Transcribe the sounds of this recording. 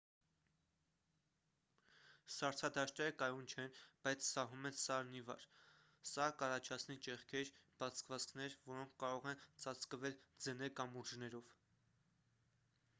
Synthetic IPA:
sɑɾt͡sʰɑd̪ɑʃt̪ɛɾəkɑjunt͡ʃʰɛnb̥ɑjt͡sʰsɑɦumɛnsɑɾnivɑ̰ɾ | sɑkɑrɑt͡ʃʰɑt͡sʰnit͡ʃɛʁkʰɛɾb̥ɑt͡sʰkvɑt͡skʰnɛɾvɔɾɔŋkʰːɑɾɔʁɛnt͡sɑt͡sʰkəvɛld͡zənɛkɑmuɾʒnɛɾɔv

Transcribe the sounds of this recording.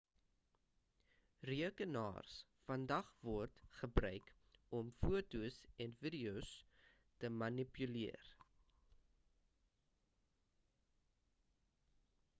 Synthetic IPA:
riəkənɑ̰ːrsfɐndɐχvɔrtχəbrœɥk | ɔmfuətusɛnvidiows | təmɐnipyliər

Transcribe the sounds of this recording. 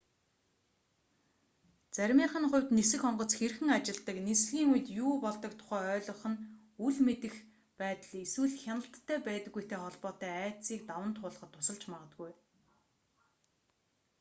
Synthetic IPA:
t͡sæɾʲmiːɴχə̆nχʊ̟wʲt̪nesɘ̆xɔɴɢɞ̆t͡sxerxɘ̆ŋat͡ɕɪ̆ɮt̪ə̆knesɮiːŋuj̆t̪juːpɔɮt̪ɞ̆k̚t̪ʰʊ̥χæːœːɮɞ̆χə̆n | uɮmet̪ɘ̆x | pæːt̪ə̆ɮeswɘ̆ɮxʲjanə̆ɬt̪ʰːæːpæːt̪ə̆ɡːujt̪ʰeːχɔɮpɔːt̪æːæːt͡siːkt̪awə̆nt̪ʰːʊːɮə̆χə̆t̪ʰːʊ̥sə̆ɮt͡ɕmaʁə̆t̪̚ɡuj

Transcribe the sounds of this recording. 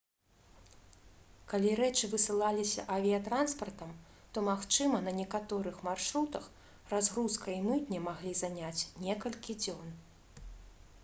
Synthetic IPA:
kalʲiɾɛt͡ʂɨvɨsɨlˠalʲisʲɐ̰ʔɐvʲijɐt̪ɾanspɐrt̪ɐm | t̪ɔmaxt͡ʂɨmɐnɐnʲɛkat̪ɔɾɨxmarʂɾut̪ɐx | razɣɾuskɐimɨt̪nʲɛmaɣlʲizanʲat͡sʲnʲɛkɐlʲkʲid͡zʲɔn

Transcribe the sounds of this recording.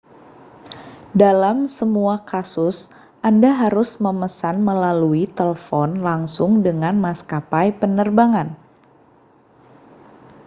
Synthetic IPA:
dalamsəmuakasʊs | ʔandaɦaɾʊsməməsanməlaluit̪ələfɔnlaŋsʊŋdəŋanmaskapajpənərbaŋan

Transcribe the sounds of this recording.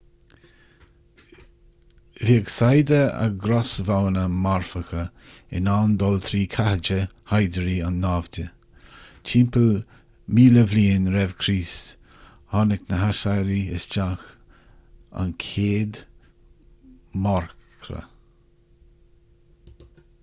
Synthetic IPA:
viəɡsajd̪əa̰ɡɾɔsvawnəmaɹfəxə | ɪ̰naːnd̪ɔlt̪ʰɾiːkʰahəd͡ʒəhajd̪əɾianːaːvdə | t͡ʃʰiːmpəl | miːləvliːnɾɛvkʰɾiːst | hɔnɪknəɦasajɾiɪsd͡ʒax | a̰nkʰeːd̪ | mɔɹkɾə̰

